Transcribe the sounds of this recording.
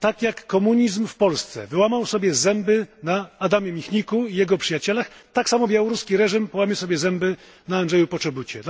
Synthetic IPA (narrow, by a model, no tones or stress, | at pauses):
t̪akʲjakːɔmuɲizmfpɔlst̪sɛ̰vɘwamawsɔbʲjɛzɛmbɘnaːd̪amʲjɛmʲixɲikuijɛɡɔpʂɘjat͡ɕɛlaxt̪aksamɔbʲjawɔɾuskʲiɾɛʐimpɔwamʲɛwsɔbʲjɛzɛmbɘ | naːndʐɛjupɔt͡ʂɛbut͡ɕɛ